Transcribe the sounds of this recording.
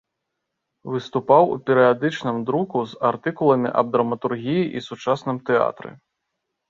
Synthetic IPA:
vɨst̪upawṵpʲɛɾɨjad̪ɨt͡ʂnɨmd̪ɾukuzart̪ɨkulˠɐmʲḭʔɐ̰b̚d̪ɾɐmɐt̪urɣʲijiʔisut͡ʂasnɨmt̪ɛa̰t̪ɾɨ̰

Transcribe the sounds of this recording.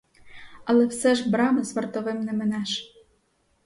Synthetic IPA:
ɑlˠĕfsɛʒbɾɑmɤsmɤ̆rt̪oβemnɘ̆mɘ̆næʃ

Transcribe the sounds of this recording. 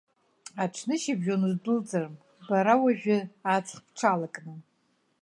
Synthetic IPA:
aʈ͡ʂʷʰnɨʃibʒonuzdɨlt͡sʼarm | baɾawaʒᶣɪat͡sʰχpʰʈ͡ʂʰalakʼnɨ

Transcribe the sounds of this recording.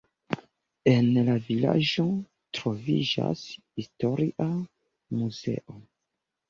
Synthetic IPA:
e̞nlavilad͡ʒo̞ | tɾo̞vid͡ʒa̰shisto̞ɾiʔa | muze̞̰ʔo

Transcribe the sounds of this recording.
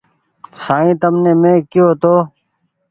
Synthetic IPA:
saːĩːt̪əmneːmẽːkɪjoːt̪oː

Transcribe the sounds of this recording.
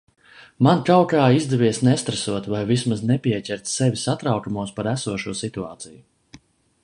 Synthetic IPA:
mankawkaːizd̪ɛvʲiɛsnɛst̪ɾesuɔt̪vajvismaznɛpʲiɛcʲɛɾt̪sɛvʲisat̪ɾawkumuɔspaɾæsuɔʃuɔsit̪ua̰ːt̪siju

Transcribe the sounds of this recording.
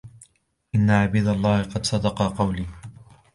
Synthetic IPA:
ʔɪnːaʕabiːd̪alˤːɑːhɪqɑd̪sˤɑd̪ɑqɑqɑwliː

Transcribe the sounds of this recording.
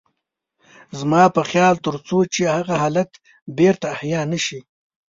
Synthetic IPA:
zmɑpəxjɑːlt̪əɾt͡sot͡ʃehaɣaɦɑːlat̪ | beɾt̪aːhjɑːnaʃi

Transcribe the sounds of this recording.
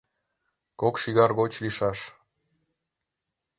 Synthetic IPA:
kokʃiɣɑrɣot͡ɕliʃɑʃ

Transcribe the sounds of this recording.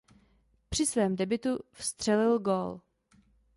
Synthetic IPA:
pr̝̥ɪsvɛːmdɛbɪt̪ufst̪r̝̥ɛlɪlɡoːl

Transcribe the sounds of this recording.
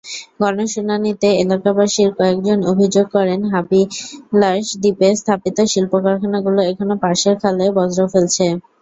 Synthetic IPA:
ɡɔnoʃunanit̪eelakabaʃiɾkɔek̚d͡ʑonobʱid͡ʑoɡ̚kɔɾenɦapilaʃd̪ipest̪ʰapit̪oʃilpokaɾkʰanaɡuloekʰonopaɾʃeɾkʰalebɔd͡ʑɾofelt͡ɕʰe

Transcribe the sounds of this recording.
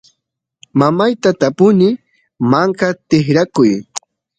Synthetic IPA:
mamajt̪at̪apʊnɪ | maɴkɑt̪ɪχɾakʊj

